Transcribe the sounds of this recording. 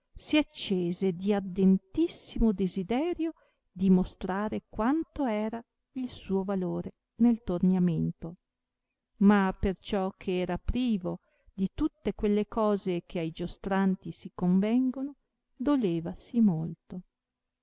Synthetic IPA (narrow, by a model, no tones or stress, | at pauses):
siat͡ʃːeːzed̪iad̪ent̪isːimod̪ezid̪ɛːɾjo | d̪imost̪ɾaːɾekwant̪oɛːɾa | ilsuːovaloːɾe | nelt̪ornjament̪o | mapert͡ʃɔkʰeɛːɾapɾiːvo | d̪it̪ut̪ːekwelːekɔːzekʰeajd͡ʒost̪ɾant̪isikoɱvɛŋɡono | d̪oleːvasimolt̪o